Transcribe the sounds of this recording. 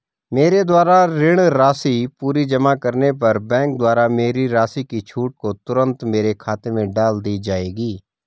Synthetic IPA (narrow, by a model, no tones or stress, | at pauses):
meːɾed̪waːɾaɾɪɽ̃ɾaːsipuːɾid͡ʒəmaːkɐɾnep̬ɐɾbɛ̃ːŋk̚d̪ʊaːɾameːɾiɾaːsikit͡ʃʰuːʈ̚kot̪ʊɾə̃nt̪meːɾekʰaːt̪mẽɖaːld̪id͡ʒaːeːɡiː